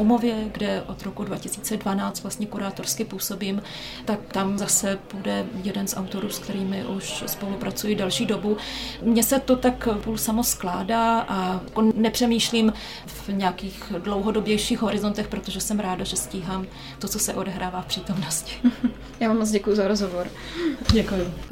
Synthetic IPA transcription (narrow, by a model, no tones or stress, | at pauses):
omo̞vjɛɡdɛʔo̞d̪ɾokudvacɪsiːt͡sɛdvanaːt͡st̪vlast̪ɲɛkuɾaːt̪o̞ɾskɪpuːso̞biːm | t̪akt̪amzasɛpudɛjɛdɛnsʔawt̪o̞ɾuːskt̪ɛɾiːmɪʔuʃspo̞lupɾʔat͡sujɪdɛlʃiːdo̞bumɲɛsɛt̪ot̪akpulsamo̞sklaːdaːʔaakonɛpr̥ɛmiːʃliːm | vɲɛakiːxdlowɦo̞do̞bjɛjʃiːxɦo̞ɾɪzo̞nt̪ɛxpɾot̪oʒɛsɛmɾaːdaʒɛsciːɦaːm | t̪o̞t͡so̞sɛʔo̞dɛɦɾaːvaːfpr̥iːt̪o̞mnoscɪ̥ | jaːvamːot͡sɟɛkujuzaɾozɦovoɾ | ɟɛkujʊ